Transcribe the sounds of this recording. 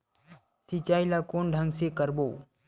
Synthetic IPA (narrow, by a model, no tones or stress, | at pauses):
sit͡ʃaːilakoːɳɖʱə̃ŋɡsekəɾboː